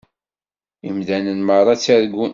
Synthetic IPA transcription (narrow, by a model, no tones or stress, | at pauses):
imðænənmərˤɑt͡sːæɾɡːun